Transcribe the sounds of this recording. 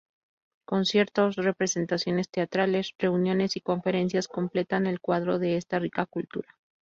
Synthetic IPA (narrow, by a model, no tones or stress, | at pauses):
ko̞nsje̞ɾt̪o̞sre̞pɾe̞se̞nt̪asjo̞ne̞st̪e̞at̪ɾale̞sre̞unjo̞ne̞siko̞ɱfe̞ɾe̞ns̬jasko̞mple̞t̪ane̞lkwaðɾo̞ðe̞est̪arikakult̪ṵɾa